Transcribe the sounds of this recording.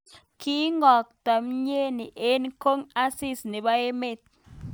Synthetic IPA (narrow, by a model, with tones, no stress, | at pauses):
ki˦ŋɔ˨k̚t̪a˨mɲe˦ni˨ʔe˦nko˦ŋa˦si˦sni˨ba˦e˦me˦˨t̪̚